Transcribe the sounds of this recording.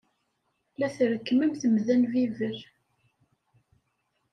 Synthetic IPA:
læθɾəkːməmθəmðænvivəɾ

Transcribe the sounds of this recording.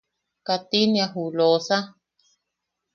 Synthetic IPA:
kat̪injaɦulosa

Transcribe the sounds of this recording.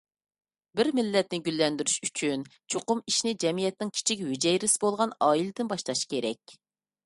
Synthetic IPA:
bɪɾmɪlːɛt̪nɪɡʲylːɛnd̪yɾyʃyt͡ʃʰynt͡ʃʰoqʊmiʃnɪd͡ʒɛmijɛt̪nɪŋkʲʰi̥t͡ʃʰikʲwyd͡ʒɛjɾɪsɪ̥bolˠʁɑnɑːilɪd̪ɪnbɑʃlˠɑʃkʲeɾɛk̚ʲ

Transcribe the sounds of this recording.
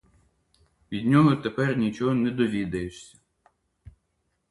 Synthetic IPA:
ʋʲid̪ʲnʲɔɦɔt̪epɛrnʲit͡ʃɔɦɔnɛd̪ɔʋʲid̪ɐjeʃsʲɐ̥

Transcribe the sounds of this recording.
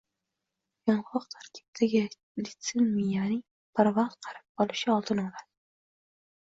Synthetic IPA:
jɒɴʁɑqt̪ʰaɾkʲʰɪ̥p̚t̪ʰaɡʲɪ | d̪it̪senmijanɪŋ | pʰaɾvɑχt̪qʰɑɾɪp̚bɒlˠɪʃɪɒlˠt̪ɨnɒlad̪

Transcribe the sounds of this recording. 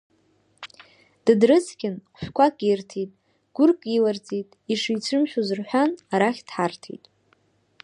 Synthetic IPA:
d̥ɨdrɨt͡sʰkʲɪnqʷʰʃʷᶣkʷʰakʼirtʰitʼ | ɡ̥ʷʊrkʼilart͡sʼitʼiʂijt͡sʷʰɨmʃᶣuzɨrħʷᶣanaɾaχʲd̥ħartʰḭtʼ

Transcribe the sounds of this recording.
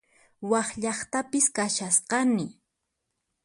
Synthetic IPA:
wɑχʎɑχt̪apɪskaʃasqɑnɪ

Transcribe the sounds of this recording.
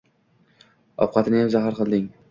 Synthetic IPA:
ɒ̰p̚qʰɑt̪ɪnɪjamzaɦaɾqʰɨlˠd̪ɪŋ

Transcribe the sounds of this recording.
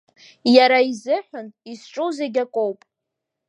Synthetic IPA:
jaɾaizɨħʷᶣʊnisʈ͡ʂʼuwze̞ɡʲakʷʼowpʼ

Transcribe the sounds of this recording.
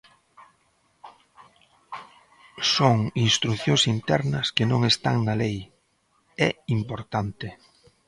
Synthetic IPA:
soŋinst̪ɾuθjõsint̪ɛɾnɐskɪnõŋest̪a̰ŋnɐlej | ɛimpoɾt̪ant̪ɪ

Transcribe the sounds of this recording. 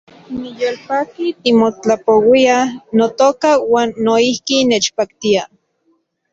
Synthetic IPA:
nijoːlpaːkit̪imot͡ɬapowianot̪oːkawaːnːoihkinet͡ʃpakt̪ia

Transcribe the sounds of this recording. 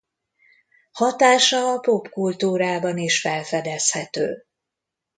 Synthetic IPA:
hɒt̪aːʃɒːpo̞pkult̪uːɾaːbɒniʃfɛlfɛd̪ɛshɛt̪ø̰ː

